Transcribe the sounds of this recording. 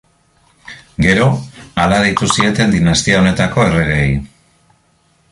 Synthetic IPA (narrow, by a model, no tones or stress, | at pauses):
ɡe̞ɾo̞alaðejt̪usie̞t̪e̞nd̪inast̪iao̞ne̞t̪ako̞e̞re̞ɣ̞ej